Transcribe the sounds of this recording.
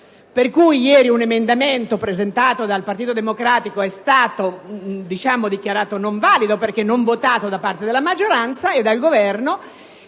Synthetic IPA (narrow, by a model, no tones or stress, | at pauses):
perkujjɛːɾiunemend̪ament̪opɾezent̪aːt̪od̪alpart̪iːt̪od̪emokɾaːt̪ikoɛst̪aːt̪od̪it͡ʃaːmod̪ik̟jaɾaːt̪onoɱvaːlid̪operk̟enːoɱvot̪aːt̪od̪apart̪ed̪elːamad͡ʒːoɾant̪saed̪ːalɡovɛrno